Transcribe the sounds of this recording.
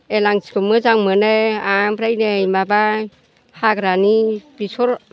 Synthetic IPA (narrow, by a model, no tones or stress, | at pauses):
elaŋsi̥kɯmɯzaŋmɯneamɾajnejmaba | haɡɾanibisʰɔɾ